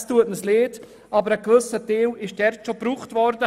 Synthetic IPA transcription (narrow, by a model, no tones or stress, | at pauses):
stuətnəsleːd | ʔɑbəɾəkʋɵsəteːwɪʃdɛɾtʃobɾuːχtvɔɾdə